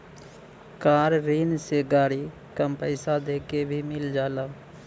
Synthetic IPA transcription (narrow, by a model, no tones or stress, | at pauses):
kaːɾɾiːnseɡaːɽi | kəmpəɪsad̪eːkebʱimɪld͡ʒaːlaː